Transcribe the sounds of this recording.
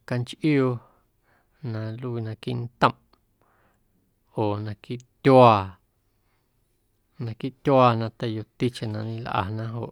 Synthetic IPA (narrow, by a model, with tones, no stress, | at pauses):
ka˧nt͡ʃʔjo˧ | nã˧lu˦˧˨nã˧ki˦ʔnt̪ə̃˧˨m | oː˨nã˧ki˦ʔt̪ʲwaː˧ | nã˧ki˦ʔt̪ʲjwaː˧nã˧t̪e˧˨jo˧t̪i˦t͡ʃe˨nã˧nĩ˧lʔa̰˧˨nã˦ɦo̰˨ʔ